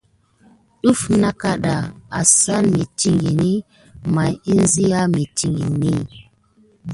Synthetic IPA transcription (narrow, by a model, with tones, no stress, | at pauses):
ɗu˦fna˦ka˦ɗa˨a˨sa˦nmi˨ti˨ŋɡi˨ni˦ | ma˨ji˦n˦zi˦ja˦mi˨ti˨ŋɡḭ˨ni˦